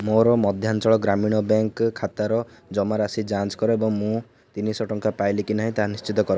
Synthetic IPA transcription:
moɾɔmɔd̪ʱjant͡ʃɔɭɔɡɾamiɽ̃ɔbaŋkkʰat̪aɾɔ | d͡ʒɔmaɾasid͡ʒant͡ʃkɔɾoebɔŋmũ | t̪inisɔʈɔŋkapajlikinaɦĩt̪aɦãnist͡ʃit̪ɔkɔɾɔ

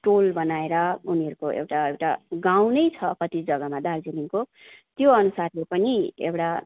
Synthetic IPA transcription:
ʈolbʌnaeɾʌuniʌɾukoʔḛwʈaewʈa̰ɡaw̃nʌjt͡sʰʌkʌt̪id͡zʌɡʌmad̪ald͡zeliŋko | t̪joʌnusarlepʌniḛwʈa

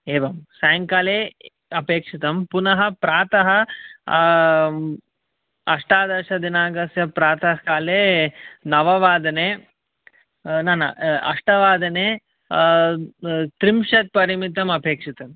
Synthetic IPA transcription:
eːʋɐmsɐjɐŋkaːleː | ɐpeːkʂit̪ɐmpunɐɦɐpɾaːt̪ɐɦɐ | ɐʂʈaːd̪ɐʂɐd̪inaːɡɐsjɐpɾaːt̪ɐɦkaːleːnɐʋɐʋaːd̪ɐneː | naːnɐɐ̰ʂʈɐʋaːd̪ɐneː | t̪ɾimʂɐt̪̚pɐɾimit̪ɐmɐpeːkʂit̪ɐm

